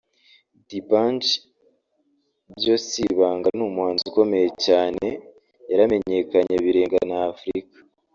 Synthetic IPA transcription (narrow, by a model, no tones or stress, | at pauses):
dipant͡ʃ | bjo̞siβaːŋɡanumuaːnzuko̞me̞jecaːne̞ | jaɾame̞ɲe̞kaɲeβiɾe̞ːŋɡanaːfɾikḁ